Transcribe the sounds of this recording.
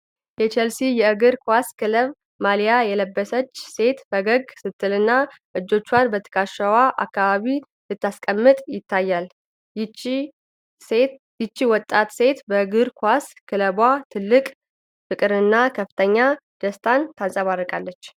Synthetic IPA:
jɛt͡ʃʰɛlsijɛɨɡɨɾkʰwaskɨləβ | malijajɛləbːəsət͡ʃːse̞t̪fəɡəɡsɨt̪ʰːɨlɨnːa | ʔɨd͡ʒːo̞t͡ʃːwanbət̪ʰːə̥kʰaʃəwaʔa̰kːaβaβi | lɨt̪ːaskʼəmːɨt̪ʼjɪt̪ʰːajːal | jɪt͡ʃːiwɔt̪ʼːat̪se̞t̪bəɨɡɨɾkʰaskʰɨləβwat̪ʰɨlːɨkʼ | fɨkʼɨɾɨnːakʰəfɨ̥t̪ʰəɲːad̪̥əst̪ʰant̪ʰansʼəβarːəkʼalːət͡ʃː

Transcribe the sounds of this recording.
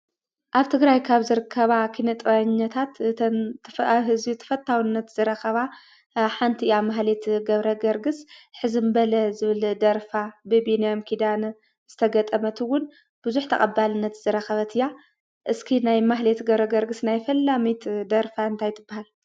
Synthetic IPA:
ʔaβt̪ʰɨɡɾajkʰaβzɨɾɨkʰːɐβakʰinɐt̪ʼɐɲːɐt̪ʰat̪ʰ | fɦɨzbit̪ʰɐ̥fɐt̪ʰːawinːɐt̪z̥ɨɾɐxɐβa | ħant̪ʰiamaɦlet̪ɡɐβɾɐɡɐɾɡɨsħɨzɨmbɐlɐzɨβɨld̪ɐɾfabɨbinijomkʰid̪an | z̥ɨt̪ʰɐɡɐt̪ʼɐmɐt̪ʰɨwːʊn | b̥ɨzuħt̪ʰɐ̰kʼɐbalɨnːɐt̪zɨɾɐxɐβɐt̪ʰɨjːa | ʔɨskʰinajmaɦlet̪ɡɐβɾɐɡɐɾɡɨsnajfɐlːamit̪d̪ɐɾfaɨnt̪ʰajt̪ʰɨbːahal

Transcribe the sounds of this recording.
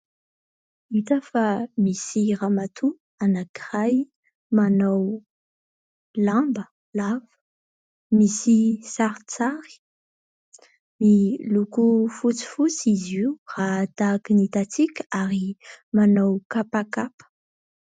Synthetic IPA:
it̪afamisiramat̪ʰu | anakiraj | manaw | lambə | lavə̥ | misisaɾt͡saɾi̥ | milukufut͡si̥fut͡sizirad̪akinit̪at͡sikʲəaɾimanawkapakapə̥

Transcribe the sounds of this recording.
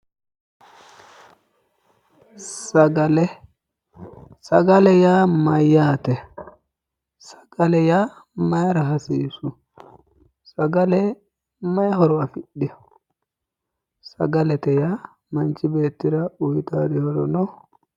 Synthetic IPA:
saɡalɛ | saɡalɛjamajatɛ | sḁɡ̥alɛja | majɾaɦasisu | saɡalɛ | majɦɔɾɔwafiɗːi | sa̰ɡalɛtɛja | mant͡ʃibɛtiɾaujitadihɔɾɔnɔ

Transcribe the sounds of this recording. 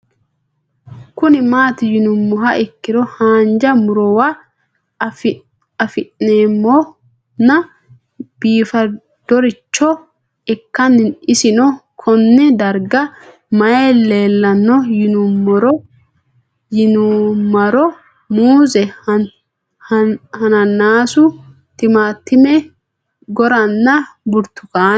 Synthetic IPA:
kʊnɪmaːt̪ɪjɪnʊmːɔɦɐʔɛkːɪɾɔhaːnd͡ʒɐmʊɾɔwa | ɐfɪʔneːmːɔ | nɐ | b̥iːfɐ | d̪̥ɔɾɪt͡ʃːɔ | ɛkːɐnːɪnɪsɪnɔkʰɔnːɛd̪ɐɾɡɐ | mɐjelːe̞ːlːɐnːɔjɪnumːɔɾɔ | jɪnumɐɾɔ | muːzɛ | hɐnɐnːaːsʊ | t̪ɪmaːt̪ːɪmɛ | ɡɔɾɐnːɐbʊɾt̪ːʊkaːn

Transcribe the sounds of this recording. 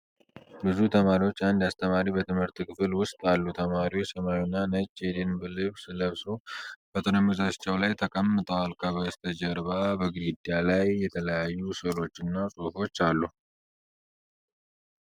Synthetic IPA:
bɨzut̪ʰəmaɾiwo̞t͡ʃːand̪ast̪ʰəmaɾibət̪ʰɨmhɨɾt̪ɨkʰɨfɨlwʊst̪ʼalːut̪ʰəmaɾiwot͡ʃsəmawnːanət͡ʃːed̪enbɨlɨβsɨləβsob̥ət̪ʰənəmːɨzat͡ʃːɛwlajt̪ʰəkʼəmːɨt̪ʼəwalkʰəβəst̪ʰəd͡ʒəɾβabəɡɾid̪jalajːɛt̪ʰələjajːusɨlo̞t͡ʃːɨnːasʼufo̞t͡ʃːalːu

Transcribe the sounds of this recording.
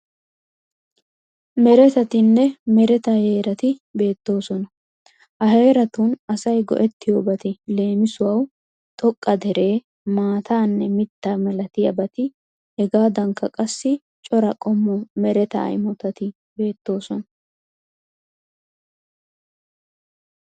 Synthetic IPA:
mɛɾɛt̪ɐt̪ɪnːɛmɛɾɛt̪ɐhe̞ːɾɐt̪ɪbe̞ːt̪ːo̞ːsɔnɐ | ʔɐɦe̞ːɾɐt̪ʊnɐsɐjɡɔ̰ʔɛt̪ːɪjoːbɐt̪ɪle̞ːmɪsʊwɐw | t̪ʼɔkʼːɐd̪ɛɾe̞ː | maːt̪aːnːɛmɪt̪ːamɛlɐt̪ɪjɐbɐt̪ɪ | hɛɡaːd̪ɐŋkːɐkʼɐsːɪ | t͡ʃʼɔɾɐkʼɔmːɔmɛɾɛt̪ɐ̰ɐ̰jmɔt̪ɐt̪ɪ | be̞ːt̪ːo̞ːsɔnɐ

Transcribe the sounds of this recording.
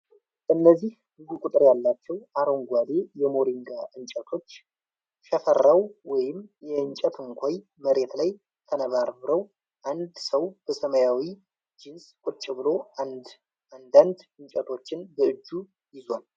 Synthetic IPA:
ʔɨnːəzːih | bɨzukʷʼut̪ʼɨɾjalːat͡ʃːɛwʔaɾo̞ŋɡʷad̪e̞jɛmo̞ɾiŋɡaʔɨnt͡ʃʼət̪ʰo̞t͡ʃː | ʃəfərːawwɔjɪmjɛɨɲt͡ʃʼɛt̪ʰɨŋkʷʰoj | məɾe̞t̪laj | t̪ʰənəβaɾβɨɾəw | ʔand̪səwb̥əsəməjawi | d͡ʒɪnskʷʼʊt͡ʃʼɪβɨlo̞ | and̪and̪ɨɲt͡ʃʼət̪ʰo̞t͡ʃːɪnbəɨd͡ʒːu | jɪzwal

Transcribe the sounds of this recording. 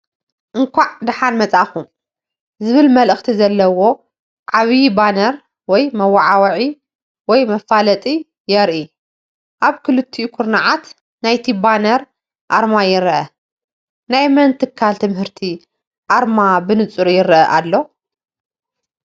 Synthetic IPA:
ʔɨŋkʷaʕd̪ɨħanmɐt͡sʼaxum | zɨβɨlmɐlɨxt̪ʰizɐlːɐwo̞ | ʕaβibanɐɾ | wɔjmɐwaʕawʕi | wɔjmɐfalɐt̪ʼi | jɛɾʔi | ʔaβkʰɨlɨt̪ʰːiukʰʊɾnaʕat̪ | najt̪ʰibanɐɾ | ʔaɾmajɪɾʔɐ | najmɐnt̪ʰɨkʰːalt̪ʰɨmhɨɾt̪ʰi | ʔaɾmabɨnɨt͡sʼuɾujɪɾɐʔɐʔalːo̞

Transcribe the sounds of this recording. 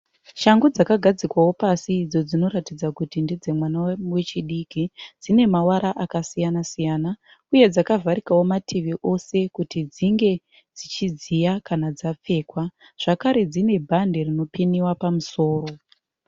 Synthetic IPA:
ʃaŋɡud͡zakaɡʱad͡zikwawo̞pasiːd͡zo̞d͡zino̞ratid͡zakutindid͡ze̞mwanawe̞t͡ʃiɗikid͡zine̞mawaɾaʔakasijanasijaːna | uje̞d͡zakavʱaɾikawo̞matʰiʋiʔo̞se̞kutid͡ziŋɡe̞ | d͡zit͡ʃizijakanad͡zap͡fe̞ːkwa | ʐ̥akaɾe̞d͡zine̞bʱande̞rino̞piniwapamuso̞ːro̞

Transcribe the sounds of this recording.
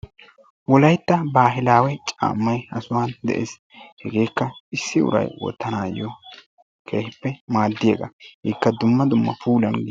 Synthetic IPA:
wɔlɐjt̪ːɐbaːɦɪlaːwɛt͡ʃʼa̰ːmːɐjɐsʊwaːnd̪ɛ̰ʔḛːs | hɛɡe̞ːkːɐɪsːɪʊ̰ɾɐ̰jwɔ̰t̪ːɐnaːjɔ | kʰeːhɪpːɛmaːd̪ːɪjeːɡɐ̰hikːɐd̪ʊmːɐd̪ʊmːɐ̰fuːlɐnɡ

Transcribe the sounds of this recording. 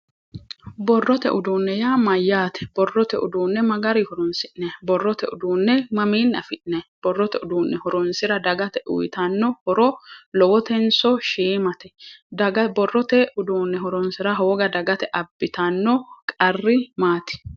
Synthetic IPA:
bɔrːɔt̪ɛʔʊd̪uːnːɛjaːmɐjːaːt̪ɛ̥b̥ɔrːɔt̪ɛʔʊ̰d̪uːnːɛmɐɡɐɾɪhɔɾɔnsɪʔnɛbɔrːɔt̪ɛʊd̪uːnːɛmɐmiːnːɐfɪʔnɛb̥ɔrːɔt̪ɛʊd̪uːnːɛhɔɾɔnsɪɾɐd̪ɐɡɐt̪ɛʔʊ̰jɪt̪ɐnːɔhɔɾɔlɔwɔt̪ɛnsɔʃiːmɐt̪ɛd̪ɐɡbɔrːɔt̪ɛʔʊd̪uːnːɛɦɔɾɔnsɪɾɐɦoːɡɐd̪ɐɡɐt̪ɛʔɐbːɪt̪ɐnːɔkʼɐrːɪmaːt̪ɪ̥

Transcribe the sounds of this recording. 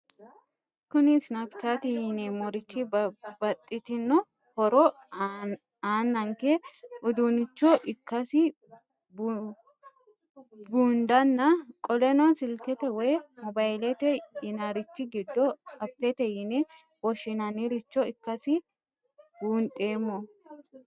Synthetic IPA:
kʊnɪsnɐpt͡ʃːat̪ɪjɪnɛmɔɾɪt͡ʃːɪbɐt̪ʼːɪt̪ɪnːɔ | hɔɾɔ | aːnːɐŋkɛʔʊd̪ʊnɪt͡ʃːɔʔɪkːɐsɪ | b | buːnd̪ɐnːɐkʼɔlɛnɔsɪlkɛt̪ɛwɔjmɔbajlɛt̪ɛɪnaɾɪt͡ʃːɪɡɪd̪ːɔɐpːɛt̪ɛjɪnɛ | wɔʃɪnɐnɪɾɪt͡ʃːɔɪkːɐsɪ | buːnt̪ʼe̞ːmːɔ

